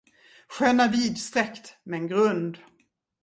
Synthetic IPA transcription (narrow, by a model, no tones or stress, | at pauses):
ɧøːnaviːd̪st̪ɾɛkt̪mɛːnɡɾɵnd̪